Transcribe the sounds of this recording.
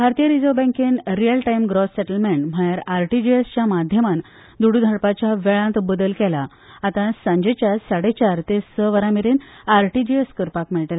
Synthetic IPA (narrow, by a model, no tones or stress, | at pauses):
bʱaɾt̪ijəɾid͡zobɛ̃ŋkenɾijəlʈajmɡɾosːeʈəlmeɳʈm̤ajaɾaɾʈid͡ʑiest͡ɕjamad̪ʱjəman | d̪uɽud̪ʱəɽpat͡ɕjaʋeɭãnt̪bəd̪əlkɛlaː | t̪ãsãɲd͡ʑet͡ɕjasaɽet͡ɕaɾt̪essəʋəɾamiɾenaɾʈid͡ʑieskəɾpakmiɭʈela